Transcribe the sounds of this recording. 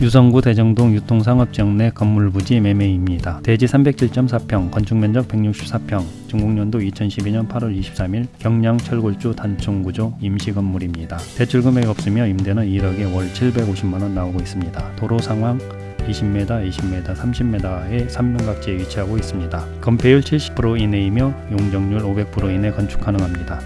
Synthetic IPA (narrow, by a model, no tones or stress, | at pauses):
jusʰʌŋɡute̞d͡ʑʌŋdoŋjutʰoŋs̬ʰaŋʌp̚t͡ɕ͈ʌŋne̞kʌmːuɭbud͡ʑime̞meimɲidate̞d͡ʑisʰambe̞k̚t͡ɕʰiɭt͡ɕ͈ʌms̬ʰapʰjʌŋkʌnt͡ɕʰuŋmjʌnd͡ʑʌk̚pe̞ŋɲuk̚ɕ͈ʰi̥p̚s͈apʰjʌŋ | t͡ɕuŋɡuŋɲʌndoit͡ɕʰʌnɕʰibiɲʌnpʰaɾwʌɾiɕʰi̥p̚s͈amiɭkjʌŋɲaŋt͡ɕʰʌɭɡoɭt͡ɕ͈utant͡ɕʰuŋɡud͡ʑoimɕʰiɡʌmːuɾimɲidate̞t͡ɕʰuɭɡɯme̞ɡʌp̚s͈ɯmjʌimde̞nɯniɾʌɡe̞wʌɭt͡ɕʰiɭbe̞ɡoɕʰimmanʌnːaoɡois͈ɯmɲidatoɾosʰaŋɦwaŋ | iɕʰimme̞daiɕʰimme̞dasʰamɕʰimme̞daesʰamːʌnɡak̚t͡ɕ͈eeɥit͡ɕʰiɦaɡois͈ɯmɲida | kʌmpʰe̞juɭt͡ɕʰiɭɕ͈i̥pʰɯɾoine̞imjʌjoŋd͡ʑʌŋɲuɾobe̞k̚pʰɯɾoine̞kʌnt͡ɕʰu̥kʰanɯŋɦamɲida